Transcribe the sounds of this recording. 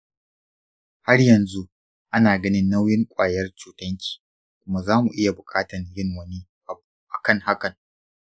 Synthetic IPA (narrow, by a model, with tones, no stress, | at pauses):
ha˦rjɐ˨nzu˦ | ʔa˦naː˨ɡɐ˦nɪ˦nːa˦wjɪ˦ŋkʷʼaː˨jɐ˦rt͡ʃuː˦tɐ˦ŋkʲʰi̥ː˨ | kʷʊ˦ma˦zaː˦mu˨ʔɪ˦ja˨bʊ˨kʼaː˦tɐ˨njɪ˦ŋwɐ˦ni˦˨ | ʔa˨kɐ˦ŋha˦kɐ˨ŋ